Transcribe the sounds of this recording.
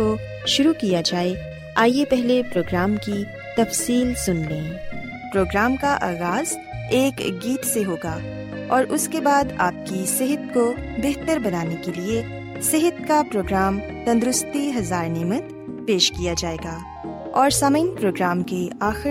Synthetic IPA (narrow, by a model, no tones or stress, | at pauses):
o | ʃʊɾukijad͡ʒaːe | aːjepɛɦlepɾoːɡɾaːmki | t̪ɐfsiːlsʊnlẽː | pɾoːɡɾaːmkaʔaːɣaːz̥ | eːkɡiːt̪seɦoːɡaː | ɔːɾʔʊskebaːd̪a̰ːp̚kiseɦət̪̚ko | beɦt̪əɾbɐnaːnekelie | sɪɦət̪̚kapɾoːɡɾaːm | t̪ɐ̃nd̪ɾʊst̪iɦɐzaːɾnɛːmət̪ | peːʃkijad͡ʒaːeːɡaː | ɔːɾsaməɪnpɾoːɡɾaːmkeaːxɪ